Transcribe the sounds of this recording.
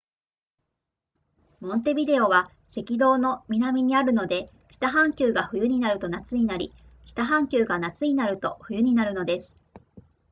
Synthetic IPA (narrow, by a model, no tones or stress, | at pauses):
mõ̞nt̪e̞bʲid̪e̞o̞β̞a | se̞kʲid̪o̞ːno̞mʲinamʲiɲ̟iaɾɯ̟no̞d̪e̞ | çʲi̥t̪aɦãŋkʲɨːɡaɸɯ̟jɯ̟ɲ̟inaɾɯ̟t̪o̞nat͡sɨɲ̟inaɾʲḭ | çʲi̥t̪aɦãŋkʲɨːɡanat͡sɨɲ̟inaɾɯ̟t̪o̞ɸɯ̟jɯ̟ɲ̟inaɾɯ̟no̞d̪e̞sɨ̥